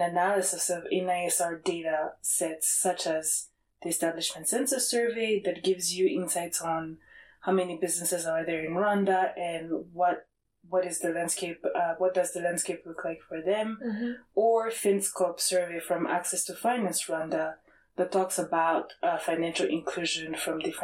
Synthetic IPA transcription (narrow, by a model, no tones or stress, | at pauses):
nɨnælˠɨsɪsʌvɛ̃naɪɛsɑɹdeɪɾəsɛtsːʌt͡ʃɨz | ðiɨstæblɨʃmɨ̃ntsɛ̃nsəsɜ˞veɪðɨt̚ɡ̥ɪvzjɨʔɪ̃nsaɪtsn̩haʊmɛnibɪznɨsɨzəðə˞ɨ̃nɹʌ̃ndəʔɨ̃nwʌt̚ | wʌɾɨzðɨlæ̃nd̥skeɪpʌwʌt̚d̥ʌzðɨlæ̃nd̥skeɪplʊkʰlaɪkfə˞ðɨ̃m | ə˞fɪ̃nskʰopsɜ˞veɪfɹʌ̃mæ̰ksɛstʰɨfãɪ̃næ̃nsɹʌ̃ndə | ðɨtʰɔksəbaʊtfãɪ̃næ̃nʃl̩ˠʔɪ̰̃nkʰl̥ʉʒɨ̃nfɹʌ̃mdɪf